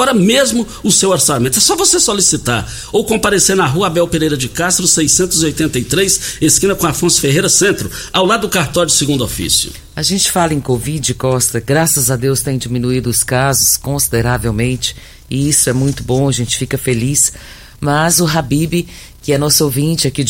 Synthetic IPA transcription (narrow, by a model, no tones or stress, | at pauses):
ɔɾɐmezmʊ | ʊsewaɾsamẽnt̪ʊɛsɔvosesolisit̪a̰ɾ | owkõpaɾeseɾnɐɦuɐabɛwpeɾejɾɐd͡ʒɪkast̪ɾʊsejsẽnt̪ʊziojt̪ẽnt̪ɐjt̪ɾejseskĩnɐkõaɾfõsʊ̥feɦejɾɐsẽnt̪ɾʊawlad̪ʊdʊkaɾt̪ɔ̃d͡ʒɪsɪɡũnd̪ʊofḭsjʊ̰ | aʒẽnt͡ʃɪ̥falɐẽj̃kovid͡ʒɪɪkɔst̪ɐɡɾasɐzɐd̪ewst̪ẽj̃d͡ʒimĩnuid̪ʊːskazʊskõsid̪eɾavewmẽt͡ʃɪ̥ | ɪisʊɛmũj̃t̪ʊbõɐʒẽnt͡ʃɪ̥fikɐfelis | mɐzʊɦabibɪ | kɪɛnɔsʊowvĩt͡ʃɪakid͡ʒ